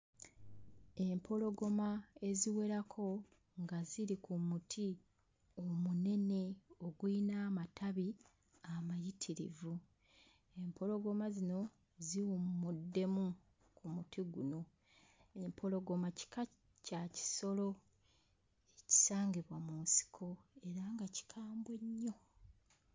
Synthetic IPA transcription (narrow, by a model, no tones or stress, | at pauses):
e̞mpʰo̞lo̞ɡo̞mae̞ziwe̞ɾakʰo̞ | ŋɡaziɾikumutʰi | omune̞ne̞o̞ɡwinaːmatʰaβi | amajitʰiɾḭvu | e̞mpʰo̞lo̞ɡo̞mazino̞ | ziwummudːe̞mu | kumutiɡṵno̞ | e̞mpʰo̞lo̞ɡo̞maci̥ka | caci̥so̞lo̞ | eci̥saːŋɡiβwamunsi̥kʰo̞e̞ɾaŋɡaci̥kʰaːmbwe̞ɲːo̞